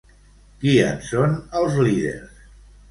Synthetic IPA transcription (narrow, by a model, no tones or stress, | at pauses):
kiə̰nsonəlˠzliðḛɾs